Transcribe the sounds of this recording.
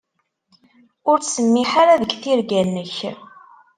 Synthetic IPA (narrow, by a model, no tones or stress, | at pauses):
ʊɾt͡ssəmːiħaɾaðəɡθiɾɡænːəç